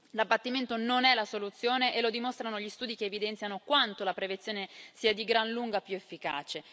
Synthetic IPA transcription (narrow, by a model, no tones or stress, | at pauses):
labːat̪ːiment̪ononɛlasolut̪sːjoːneʔelod̪imost̪ɾanoʎist̪uːd̪ikeːvid̪ɛnt̪janokwant̪olapɾevent̪sːjoːnesiːad̪iɡɾanluŋɡapːjuefːika̰ːt͡ʃe